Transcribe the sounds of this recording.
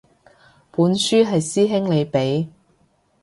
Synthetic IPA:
puː˨˥nsyː˥ɦɐ˨jsiː˥ɦɪ˥ŋle˨˧jpe˨˥j

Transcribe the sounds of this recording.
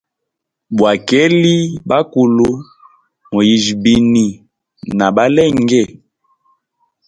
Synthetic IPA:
bwa˨kɛ˦li˦ba˦ku˨lu˦ | mo˨ji˨ʒbi˨ni˨ | na˨ba˦lɛ˦˨ŋɡɛ˦˨

